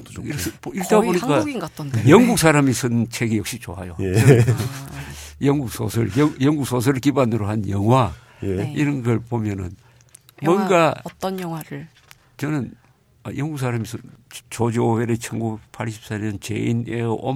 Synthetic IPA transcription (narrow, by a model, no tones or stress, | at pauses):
iiɾtaboɲikk͈aɡinɡat͈ʌnjʌŋɡuk̚s͈ʰaɾamisʰɯnt͡ɕʰeɡijʌk̚ɕ͈it͡ɕoɦajoj | jʌŋɡuk̚sʰosʰɯɭjʌjʌŋɡuk̚sʰos̬ʰɯɾɭkibanɯɾoɦanjʌŋɦwa | jiɾʌnɡʌɭpomjʌnɯ̰n | mwʌnɡat͈ʌnjʌŋwaɾɯɭ | t͡ɕʌnɯn | a̰jʌŋɡuk̚s̬ʰaɾamisʰɯnt͡ɕod͡ʑioweɾet͡ɕʰʌnɡupʰaɭɕʰi̥p̚s͈aɲʌnt͡ɕḛineo̰m